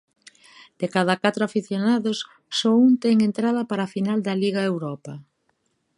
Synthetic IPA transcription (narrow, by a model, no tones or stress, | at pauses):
d̪̥ekað̞ɐkat̪ɾʊafiθjonaðos | sɔunt̪ɛŋent̪ɾað̞ɐpaɾafinald̪ɐliɣaewɾɔpɐ